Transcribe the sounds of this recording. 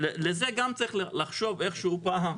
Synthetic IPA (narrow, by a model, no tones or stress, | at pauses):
lelezeɡamt͡saʁiχllaχʃo̞ve̞χʃeupaɦam